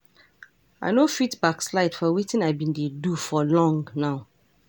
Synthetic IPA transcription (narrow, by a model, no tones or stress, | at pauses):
a̰ɪnofitbakslaɪtfɔwitĩnaɪbĩndedufɔlɔ̃ŋɡnaʊ